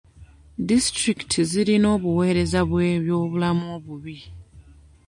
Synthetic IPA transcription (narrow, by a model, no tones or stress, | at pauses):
distɾiktʰiziɾino̞ːβuwe̞ːɾe̞zaβweːβjo̞ːβulamuo̞βuβi